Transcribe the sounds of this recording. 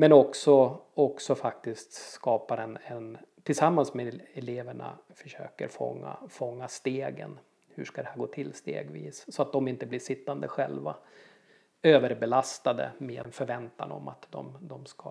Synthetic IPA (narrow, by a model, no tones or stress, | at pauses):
mɛnɔksɔɔksɔfak̚t̪ɪst̪skɑːpaɾɛnɛnt̪ʰɪlsamːansmeɛleːvəɳa̰fœ̥ʂø̰ːkə̰ɾfɔ̰ŋːa̰fɔŋːast̪eːɡə̰n | hɵ̰ʂkad̪ɛhæːɾɡoːt̪ʰɪlːst̪ḛːɡvḭːssɔat̪̚d̪ɔmɪnt̪əblɪʂɪt̪ːand̪əɧɛlva | øːvəɾbɛlast̪ad̪ə̰meːnfœɾvɛnt̪a̰nɔ̰mːa̰t̪d̪ɔ̰md̪ɔmska